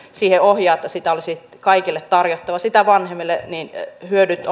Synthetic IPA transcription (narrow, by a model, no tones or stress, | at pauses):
siːheʔohjɑːet̪ːɑsit̪æolisit̪ | kɑikilːet̪t̪ɑrjot̪ːɑʋɑsit̪æʋɑnhemːilːeninhyødyt̪